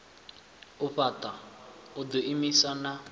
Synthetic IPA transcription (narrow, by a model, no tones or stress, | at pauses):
ʊɸatʼa | ʊdiimisana